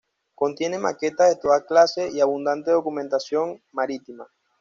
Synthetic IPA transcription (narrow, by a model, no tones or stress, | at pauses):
ko̞nt̪je̞ne̞make̞t̪aðe̞t̪o̞ðaklase̞iaβund̪ant̪eðo̞kumẽ̞nt̪asjo̞ŋmaɾit̪ima